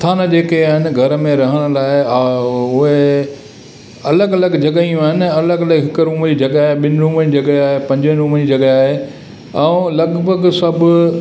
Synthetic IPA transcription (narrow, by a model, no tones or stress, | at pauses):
t̪ʰaːnəd͡ʑeːkeaːɦɪnɪ̆ɡʱɐɾəmẽɾɐɦəɽ̃̆laːɪ | ʊɦe | ɐləɡɐləɡd͡ʑɐɡəijũaːɦɪnɪ̆ɐləɡɐləɡɦɪkəɾũːmd͡ʑid͡ʑɐɡaːɦeɓɪnɪ̆ɾũːməd͡ʑiːd͡ʑɐɡəaːɦepɐ̃ɲd͡ʑənɪɾũːmd͡ʑiːd͡ʑɐɡəaːɦe | ɛ̃lɐɡbʱəɡsɐbʱʊ